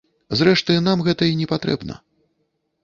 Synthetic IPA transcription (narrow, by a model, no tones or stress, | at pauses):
zɾɛʂt̪ɨnamɣɛt̪ɐinʲɛpat̪ɾɛ̰bnɐ̰